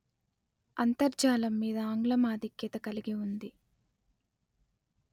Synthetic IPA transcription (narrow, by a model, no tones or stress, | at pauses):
ɐnt̪ɐɾd͡ʒaːlɐmːiːd̪ɐaːŋɡlɐmaːd̪ʱikjɐt̪ɐkɐliɡiund̪i